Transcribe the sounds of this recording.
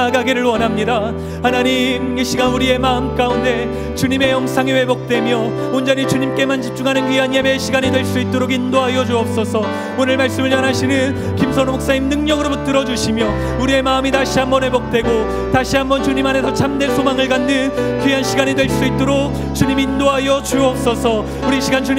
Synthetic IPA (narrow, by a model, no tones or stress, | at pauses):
ɡaɡiɾɯɭwʌnɦamɲida | hanaɲimiɕʰiɡauɾie̞maɯmk͈aunde̞ | t͡ɕuɲime̞jʌŋsʰaŋiwe̞bok̚t͈we̞mjʌ | ond͡ʑʌɲit͡ɕuɲimk͈e̞mand͡ʑip̚t͡ɕ͈uŋɦanɯnkɥianjebeɕʰiɡaɲidwe̞ɭs͈uit̚t͈oɾoɡindoɦaiʌd͡ʑuʌp̚s͈ʌsʰʌ | onɯɭmaɭs͈ɯmɯɭjʌnaɕʰinɯn | kimsʰʌnomok̚s͈aɲimnɯŋɲʌɡɯɾobut͈ɯɾʌd͡ʑuɕʰimjʌ | uɾie̞maɯmitaɕʰiɦambʌnwe̞bok̚t͈we̞ɡo | taɕʰiɦambʌnt͡ɕuɲimane̞sʰʌt͡ɕʰamde̞ɭsʰomaŋɯɭɡanːɯnkɥiɦanɕʰiɡaɲidwe̞ɭs͈uit͈̚oɾok̚ | t͡ɕuɲimiːndoɦajʌd͡ʑuʌp̚s͈ʌsʰʌ | uɾiɕʰiɡant͡ɕu